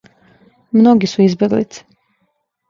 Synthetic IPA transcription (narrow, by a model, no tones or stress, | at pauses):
mnoɡisuizbʲeɡlḭt̪si̥